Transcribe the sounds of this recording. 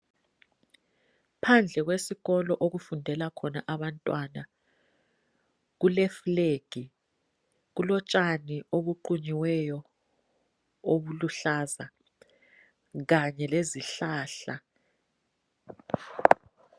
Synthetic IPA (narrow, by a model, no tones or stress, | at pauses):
pʰand͡ɮʱɛɣ̬wesiɣɔlɔʔoɣ̬ufundʱɛlakʰɔnaʔaɓantʼwana | ɣ̬ulɛfuleːɡ̥ʱi | ɣulɔt͡ʃʼanioɓuǃuɲiwɛjɔ | oɓuluɬaːza | ɣaɲɛleziɬaːɬa